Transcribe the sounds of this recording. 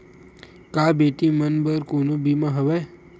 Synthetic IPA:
kabeʈimənbəɾkonũbimãɦəʋe

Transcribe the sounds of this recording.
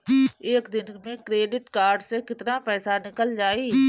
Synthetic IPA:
eːkd̪ɪnmẽkɾeːɖɪʈkaːɾɖsekɪt̪napɛːsanɪkəld͡ʒaːiː

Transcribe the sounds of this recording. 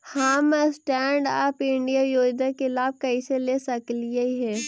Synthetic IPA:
haːmsʈɛːɳɖa̰ːpɪ̃ɳɖijajoːd̪akelaːb̚kɐiseleːsɐklijaiɦɛː

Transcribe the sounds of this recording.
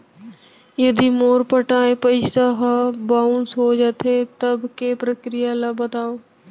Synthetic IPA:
jɐd̪imoːɾpəʈaːẽpɐɪsaɦabaːũnsɦoːd͡ʒat̪ʰet̪ɐbkepɾəkɾijalabɐt̪aːoː

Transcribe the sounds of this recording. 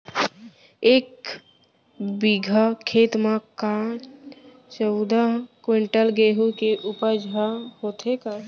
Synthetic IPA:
ek | biɡʱakʰet̪maka | t͡ʃəʊd̪akweɳʈəlɡeɦukeʔupəd͡ʒʱahot̪ɦeka

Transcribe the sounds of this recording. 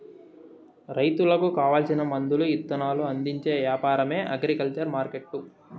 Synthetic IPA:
ɾɐjt̪ulɐkukaːʋaːlsinɐmɐnd̪uluit̪ːɐnaːluɐnd̪iɲt͡ʃe̞ːʋjaːpaːɾɐme̞ːʔɐɡɾikɐlt͡ʃɐɾmaːɾkeʈːu

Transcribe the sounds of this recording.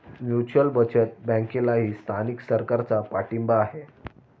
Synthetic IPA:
mjut͡ɕəlbət͡ɕet̪̚bə̃ŋkelaɦiːst̪ʰaniksəɾkaɾt͡sapaʈimbaːɦe

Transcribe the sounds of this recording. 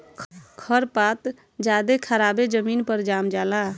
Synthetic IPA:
kʰkʰəɾpat̪ | d͡ʒad̪ekʰəɾabed͡ʒəminpəɾd͡ʒamd͡ʒala

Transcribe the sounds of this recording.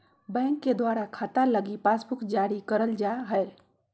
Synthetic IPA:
bəŋkːed̪waɾakʰat̪aləɡipasbukd͡ʒaɾikəɾəld͡ʒaɦəel

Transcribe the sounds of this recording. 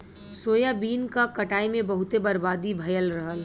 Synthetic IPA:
soːjabiːnkakɐʈaːimẽbɐɦʊt̪ebɐɾbaːd̪ibʱɐjəlɾɐɦəl

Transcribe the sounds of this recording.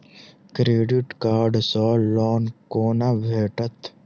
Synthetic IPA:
kɾeːɖiʈkaːɾɖsɔːlɔːnkoːnaʋʱeːʈət̪

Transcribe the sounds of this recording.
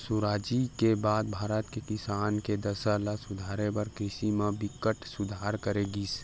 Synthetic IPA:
suɾaːd͡ʒikebaːd̪̚bʱaːɾət̪kekɪsaːnked̪əsəlasʊd̪ʱaːɾepəɾkɾɪʃimẽbɪkːəʈsʊd̪ʱaːɾkəɾeɡiːs

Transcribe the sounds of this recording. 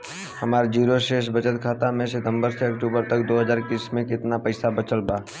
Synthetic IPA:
hɐmaːɾd͡ʒiːɾoʃeːʃbət͡ʃət̪kʰaːt̪amẽsɪt̪ə̃mbəɾseɐkʈuːbəɾt̪ɐkd̪oːɦəzaːɾɪkiːsmẽkɪt̪napɐɪsabət͡ʃəlbaː

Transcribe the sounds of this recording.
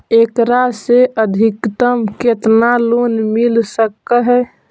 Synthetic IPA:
ekɾaseəd̪ʱikt̪əmket̪nalonmilsəkːəɦɛ

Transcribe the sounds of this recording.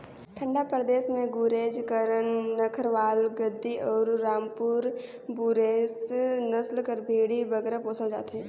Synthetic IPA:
t̪ʰə̃ɳɖapɾəd̪eːsmẽɡuːɾeːd͡ʒkəɾəɳːəkʰəɾʋaːlɡəd̪ːiɔːɾːaːmpuːɾ | buɾeːsnɐslkəɾbʱeːɽibəɡɛːɾapoːsəld͡ʒa̰ːt̪ɦɛː

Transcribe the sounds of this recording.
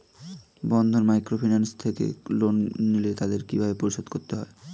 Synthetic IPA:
bɔnd̪ʱoɾmajkɾofʰinanst̪ʰekḛlonːilet̪ad̪eɾkibʱabepoɾiʃod̪koɾt̪eɦɔe

